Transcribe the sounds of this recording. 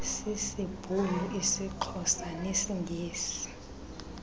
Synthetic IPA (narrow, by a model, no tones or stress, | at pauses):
sisib̥ʱulɔʔisiǃʰɔsanesiŋɡʱeːsi̥